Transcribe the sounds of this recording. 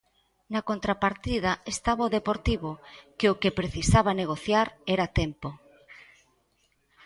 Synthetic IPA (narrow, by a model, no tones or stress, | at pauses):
nɐkont̪ɾapaɾt̪ið̞ɐest̪aβaoðepoɾt̪iβokeokepɾeθisaβaneɣ̞oθjaɾɛɾat̪ɛmpo